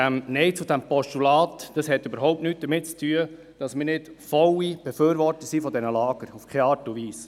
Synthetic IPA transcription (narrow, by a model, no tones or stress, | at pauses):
ɛmnɛɪt͡sudæmpɔstulɑːtd̥ɑshɛtːøbəɾɦɔʊp̚tnyːt̚d̥əɾmɪtt͡stʰyːə | d̥ɑsmɪːɾnɪtfɔwib̥ɛføːɾʋɔɾtəsifɔdɛnəlɑːɡ̥əɾufkʰɛɑːtuʋiːs